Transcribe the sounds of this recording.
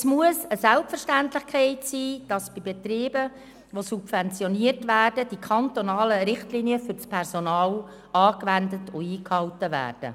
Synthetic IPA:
smuəsəsælpfərʃtæntlɪχkʰɛɪtsiːd̥ɑsb̥ibet̪ɾiːbə | ʋosubfɛnt͡sjɔniətʋæːrdəd̥ikʰɑnt̪onɑːləɾɪχtliːniəfʏɾt͡spʰɛrsonɑːl | ɑːkʋændətʊiːkhɑwtəvæ̰ːrd̥ə̰

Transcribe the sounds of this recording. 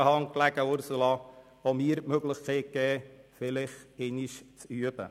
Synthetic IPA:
əhɑŋklæɡ̥əʊɾsulɑ | omiːəɾmøɡlɪχkʰeːt̚kɛːfɪlɪχeniʃt͡syəb̥ə̰

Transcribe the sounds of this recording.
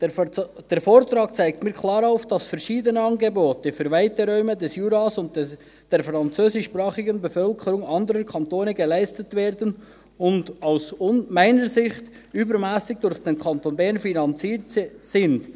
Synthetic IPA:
d̥ɛɾfoːɾtɾɑːk̚t͡sæɪk̚tmiːɾkʰlɑːɾaʊfd̥ɑsfɛɾʃiːdənəɑnɡeboːtəfyːɾvæɪtəɾœʏmədɛsjuːɾɑsʊn | d̥ɛɾfɾɑnt͡søːsɪʃːpɾɑːχɪɡənbɛfœlkʰəɾʊŋɑndəɾəkʰɑntoːnəɡelæɪstətvɛːɾdən | ʊndaʊsʊnmæɪnəɾzɪχt | ybəɾmæːsɪɡ̚d̥ʊɾχd̥enkʰɑntonbɛɾnfinɑnt͡siːɾtsɪnd̥

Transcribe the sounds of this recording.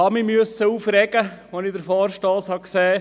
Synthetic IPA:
ɑmimyəsːəuːfɾɛɡ̥əʋɔnɪd̪əɾfɔːɾʃtɑːshɑksɛː

